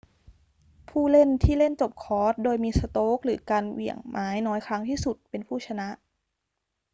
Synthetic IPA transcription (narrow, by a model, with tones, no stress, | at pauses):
pʰuː˥˩le˥˩nt̪ʰiː˥˩le˥˩nt͡ɕo˨˩p̚kʰɔː˦˥t̪̚doː˧jmiː˧sa˧t̪oː˦˥k̚ɾɯː˩˦kaː˧nwi˨˩əŋmʔaː˨˦˥jnɔː˦˥jkʰɾa˦˥ŋt̪ʰiː˥˩su˨˩t̪̚pe˧npʰuː˥˩t͡ɕʰa˧na˦˥ʔ